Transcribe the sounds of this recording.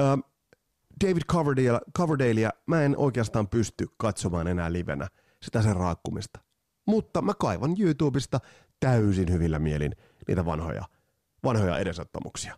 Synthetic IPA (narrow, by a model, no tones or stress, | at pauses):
əː | d̥eiʋidkʰɑʋəɹdelkʰɑʋərdeiliæmæenʔo̰ikeɑst̪ɑːmpyst̪ykkɑt̪somɑːne̞næːliʋḛnːæ̰ | sit̪æserɑːkːumist̪ɑ̥ | mut̪ːɑmækɑiʋɑnjuːt̪uːbist̪ɑ | t̪æysinhyʋilːæmielḭn | nḭːt̪æʋɑ̰nho̰jɑ̰ | ʋɑnhojɑ̰ʔede̞sot̪ːɑ̰muksi̥ɑ̥